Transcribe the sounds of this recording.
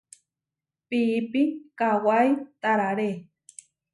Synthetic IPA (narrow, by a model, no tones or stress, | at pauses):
pipikawajt̪aɾaɾe